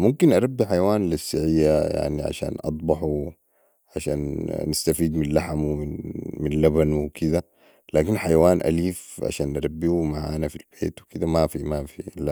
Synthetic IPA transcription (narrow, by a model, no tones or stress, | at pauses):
mumkinʔɑɾˤɑbːiħajawaːnlisːaʕijːaja̰ʕniʕa̰ʃa̰ːnʔɑ̰t̪ˤbɑħu | ʕaʃa̰ːnːɪst̪afiːd̪minlaħamwiinminlabanwikʰid̪a | laːkinħajawaːnʔa̰liːfʕa̰ʃaːnʔaɾˤɑbːiumaʕa̰ʔnafilb̥eːt̪wikid̪amafimafila